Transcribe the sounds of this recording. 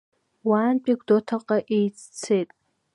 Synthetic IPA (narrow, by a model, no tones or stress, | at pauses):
waːnpʼiɡʷdotʰaqʼaʔejt͡sʰt͡sʰejtʼ